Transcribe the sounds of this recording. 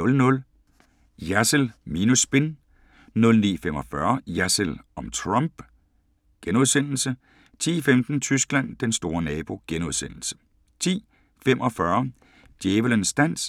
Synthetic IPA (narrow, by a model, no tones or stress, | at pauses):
ɔlnɔ̽l | jæsəlminusːb̥e̝n | nɔ̽lnḭːfem̰ɒ̽fɶɐjæsəlɒ̽mt͡sʰʁɑmb̥ | ɡ̥enuð̞ˠsen̰l̩sə | t͡sʰḭːfemd̥n̩t͡sʰysɡ̥læn̰d̥ensd̥o̝ːɐnɛːb̥o̝ɡ̥enuðˠsen̰l̩sə̥ | t͡sʰḭː | femʔɒ̽fɶɐ | d̥jeːʋələnsd̥æn̰s